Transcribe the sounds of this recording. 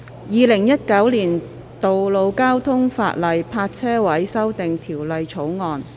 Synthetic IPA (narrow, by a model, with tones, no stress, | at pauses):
jiː˨˧lɪ˨˩ŋjɐ˥t̚kɐ˨˥wliː˨˩n | t̪o˨wlo˨˧wkaː˥wt̪ʰʊ˥ŋfa̰ː˧t̚lɐ˨jpʰaː˧t̚t͡sʰɛː˥wɐ˨˥jsɐ˥wt̪ɪ˨ŋt̪ʰiː˨˩wlɐ˨jt͡sʰo˨˥wŋɔː˨˧n